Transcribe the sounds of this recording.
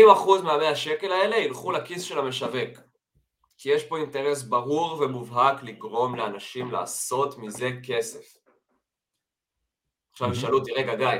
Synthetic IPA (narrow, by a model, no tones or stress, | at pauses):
imaχuzmeabehaʃe̞ke̞lae̞le̞ilχulakisʃe̞lame̞ʃave̞k | kije̞ʃpo̞inte̞ʁe̞s̬baʁuʁve̞muvɦakliɡʁo̞mleanaʃimla̰ːso̞tmize̞ke̞se̞f | aχʃaviʃalutiʁeɡaɡaj